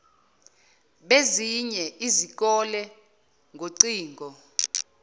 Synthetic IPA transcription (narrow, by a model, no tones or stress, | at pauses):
ɓeziɲɛizik̬ɔlɛ | ŋʱoǀiːŋʱɔ